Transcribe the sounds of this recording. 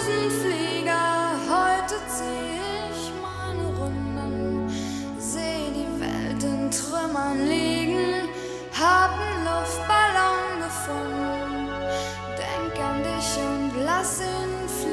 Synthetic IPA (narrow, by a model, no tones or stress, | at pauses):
snifliːɡɐhɔʏtət͡siː | ɪ | çmaɪnəʁʊndə | zeːdiːvɛ̰ltəntʁ̥ʏmɐnliːɡŋ̩ | haːbn̩nɔfb̥alɔŋɡəfʊndən | d̥ɛŋkandɪçʊntlasɪn | f